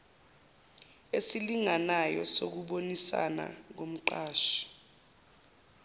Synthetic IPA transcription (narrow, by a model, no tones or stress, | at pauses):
esiliŋanajɔsok̬uɓonisa̰na̰k̬om̩ǃaːʃḁ